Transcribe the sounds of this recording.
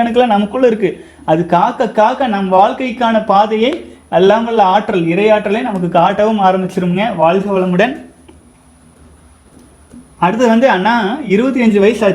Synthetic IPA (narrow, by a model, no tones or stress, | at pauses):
ɐnɯk̬ːɯlãːnɐmɐkːɯɭːɐɪɾɯkːɯ | ɐðɯkaːkːɐkaːkɐnɐmːʋaːɭkɐɪkːaːnɐpaːðɐjɐɪɐlːaːmɐlːɐaːʈɾɐlɪɾɐɪjaːʈːɾɐleːnɐmɐkːɯkːaːʈːɐʋɯmaːɾɐmbɪt͡ʃːɪɾɯmŋɡɐʋaːɭɣɐʋɐɭɐmɯɽɐn | ɐɽɯt̪ːɯʋɐnd̪ɯɐnːaːɪɾɯbɐt̪̬ːiɐɲd͡ʒɯʋɐjɐsaː